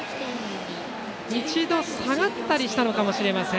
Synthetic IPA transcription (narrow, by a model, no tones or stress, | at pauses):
it͡ɕid̪o̞saɡat̪ːaɾʲiɕi̥t̪ano̞kamo̞ɕiɾe̞masẽ̞